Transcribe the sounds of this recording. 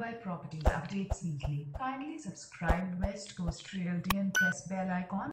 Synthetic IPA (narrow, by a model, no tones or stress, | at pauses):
baɪpɾɔpəʈiːzə̰pɖeːʈsĩŋkʰlifãɪnəlisəbskɾaɪb̚ɖʋɛsʈɡoːsʈʰɾiəlɖiə̃npɾɛsbɛlaɪkɔ̃n